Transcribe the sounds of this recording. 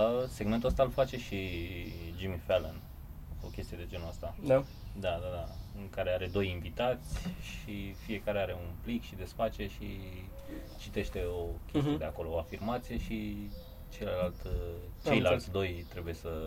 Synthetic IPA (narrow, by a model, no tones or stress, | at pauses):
seɡment̪uəst̪alfat͡ʃe̞ʃi | d͡ʒimifelen | o̰kʲe̞st̪ije̞d̪e̞d͡ʒe̞nuast̪ad̪a | d̪ad̪ad̪aɨŋkaɾe̞aɾe̞d̪o̞jiɱvit̪at̪sʲʃifie̞kaɾeaɾe̞unplikʃid̪e̞sfat͡ʃe̞ʃi | t͡ʃit̪e̞ʃt̪e̞o̞kʲest̪ieed̪eako̞lo̞oafirmat̪sije̞ʃi | t͡ʃe̞ləlalt̪t͡ʃejlat̪ʲd̪o̞jt̪ɾe̞buje̞sə